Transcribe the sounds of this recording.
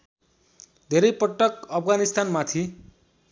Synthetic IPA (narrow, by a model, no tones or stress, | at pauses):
d̪ʱeɾʌjpʌʈːʌkʌpʰɡanist̪anmat̪ʰi